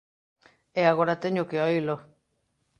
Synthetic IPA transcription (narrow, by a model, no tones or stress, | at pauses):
eaɣoɾat̪eɲokeojlo